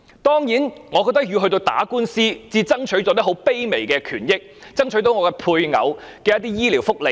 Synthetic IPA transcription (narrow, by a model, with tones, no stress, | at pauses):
t̪ɔː˥ŋjiː˨˥nŋɔː˨˧kɔː˧t̪ɐ˥k̚jy˧hɦɵ˧t̪o˧wt̪a̰ː˨˥kuː˥nsiː˥t͡siː˧t͡sɐ˥ŋt͡ʃʰɵ˨˥jt͡sɔː˧˥t̪ɐ˥ɦo˨˥wpe˥jme˨˩jkɛː˧kʰyː˨˩njɪ˥k̚t͡sɐ˥ŋt͡ʃʰɵ˨˥ɥt̪o˨˥wŋɔː˨˧kɛː˧pʰuː˧jŋɐ̰˨˧wkɛː˧jɐ˥t̪iː˥jiː˥liː˨˩wfʊ˥k̚le˨˧˥